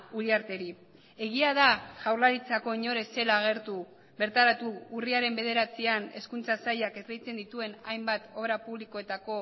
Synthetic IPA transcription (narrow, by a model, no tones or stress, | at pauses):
uliaɾt̪e̞ɾi | e̞ɣ̞iað̞aʝawɾlaɾit͡sako̞iɲo̞ɾe̞se̞laːɣ̞e̞ɾt̪u | be̞ɾt̪aɾat̪uːriaɾe̞mbe̞ð̞e̞ɾat͡siane̞skunt͡sasajakerejt͡se̞nd̪it̪ue̞najmbat̪o̞βɾapuβliko̞e̞t̪ako̞